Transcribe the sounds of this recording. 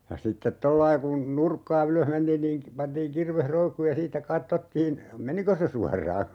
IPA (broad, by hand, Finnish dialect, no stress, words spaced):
jɑ sitːet tolːɑi kun nurkːɑː yløh mentiːn niːŋ k pɑntiːŋ kirʋeh roikːuːj jɑ siːtːæ kɑtːotːiːn meniko se suɑrˑɑː